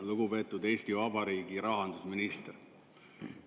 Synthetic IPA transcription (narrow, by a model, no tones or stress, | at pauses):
luɡupe̞ːt̪ːˑud̪e̞ːst̪ivɑbɑɾiːɡiɾɑɦɑnd̪̥usminist̪r